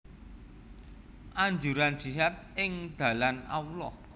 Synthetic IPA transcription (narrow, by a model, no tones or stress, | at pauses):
ʔaɲd͡ʒuɾan̥d͡ʒ̥iɦat̪̚ɪŋd̪̥ä̤lanaulɔh